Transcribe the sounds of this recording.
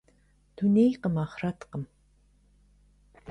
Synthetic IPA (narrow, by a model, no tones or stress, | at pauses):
t̪ʰunejqəmɑχrat̪qʌm